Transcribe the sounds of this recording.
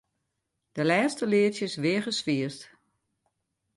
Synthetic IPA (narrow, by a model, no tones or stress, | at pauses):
d̥əlɛːstəlɪətjəsʋɪəɣəsʋiəst